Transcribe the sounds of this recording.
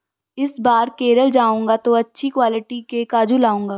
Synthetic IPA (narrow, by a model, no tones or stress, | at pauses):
ɪsbaːɾkeːɾəld͡ʒaːũːŋɡat̪oɐtːʃʰikwaːlɪʈikekaːd͡ʒulaːũːŋɡaː